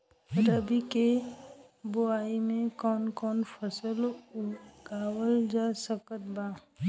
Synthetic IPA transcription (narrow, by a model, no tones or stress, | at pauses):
ɾəbike | bʊaːimẽkɔːnkɔːnfʰəsəlʊɡaːwəld͡ʒaːsəkət̪̚baː